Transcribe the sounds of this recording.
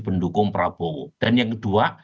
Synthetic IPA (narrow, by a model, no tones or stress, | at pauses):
pəndukʊŋpɾab̥ɔwd̥anjaŋkəd̥ua